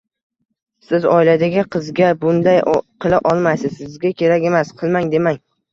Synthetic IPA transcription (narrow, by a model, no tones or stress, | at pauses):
sɪzɒ̰ɪlad̪aɡʲɪqʰɨzɡʲabʊnd̪ajqʰɨlˠaʔɒlˠmasɪzsɪzɡʲakʲʰe̞ɾakʲe̞masqʰɨlˠmaŋd̪e̞maŋ